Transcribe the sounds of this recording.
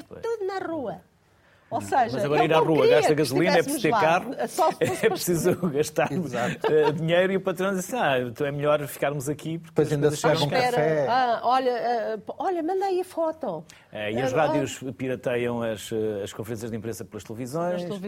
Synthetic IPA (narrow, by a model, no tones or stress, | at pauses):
ɾpo̰ʃt̪uðunɐʁuɐ | osɐʒmɐzɐɣɔɾɐiɾaʁuɐɣaʃt̪ɐɣɐzulˠinɛɐɛpsst̪eɾakaʁuɐsɔɛpɾsizuɣɐʃt̪azat̪ɛd̪iɲejɾiupɐt̪ɾɐ̃d̪izɐsat̪ɐ̃w̃ɛmʎɔɾfi̥kaɾmuzɐkipuɾkkpojzɐĩnd̪ɐzɐʃʃɛɾɐ̃kkaɛɾkɛaɔʎɐɛpɔʎɐmɐ̃nd̪aiɐfɔt̪o | ɛiɐʃʁaðjuʃpiɾɐt̪ɐjɐ̃w̃ɐʃɛɐʃkõfɨɾẽsjɐʒðẽmpɾẽsɐplˠɐʃt̪lˠvizõj̃ʃʃ